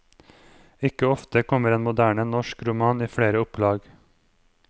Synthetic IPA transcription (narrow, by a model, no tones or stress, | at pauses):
ɪkəɔft̪əkʰɔməɾeːnmʊd̪æːɳənɔʃkɾʊmɑːniːfɽeːɾəʊplɑːɡ